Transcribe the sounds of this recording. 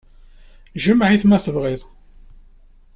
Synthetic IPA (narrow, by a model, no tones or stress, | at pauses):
ʒəmʕiθmæθəvʁɪðˤ